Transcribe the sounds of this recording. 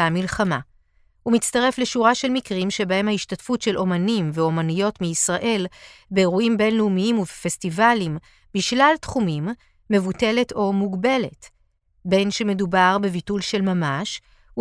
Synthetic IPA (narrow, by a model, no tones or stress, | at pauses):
amilχama̰ | umitt͡staʁe̞fle̞ʃuʁaʃe̞lmikʁimʃe̞bahe̞mhaiʃtatfutʃe̞lʔo̞manimveo̞manijo̞tmiːsʁaʔe̞lbe̞ːʁuimbe̞nleumiimuvefe̞stivalim | biʃlaltχumimː | e̞vute̞le̞tʰo̞muɡbe̞le̞t | be̞nʃe̞me̞dubaʁbe̞vitulʃe̞lmamaʃ | u